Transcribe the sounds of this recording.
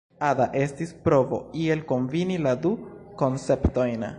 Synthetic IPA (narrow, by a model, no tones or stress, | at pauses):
adaʔe̞stispɾo̞vo̞̰ie̞lko̞nviniladuko̞nse̞pto̞jn